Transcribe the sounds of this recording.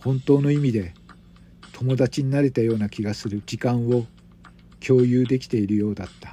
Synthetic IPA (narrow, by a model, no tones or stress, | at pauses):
hõ̞nt̪o̞ːno̞imʲid̪e̞ | t̪ʰo̞mo̞d̪at͡ɕiɲ̟inaɾe̞t̪ajo̞ːnakʲiɡasɨɾɯ̟d͡ʑikãɰ̃o̞ | kʲo̞ːjɯːd̪e̞kʲi̥t̪e̞iɾɯ̟jo̞ːd̪at̪ːḁ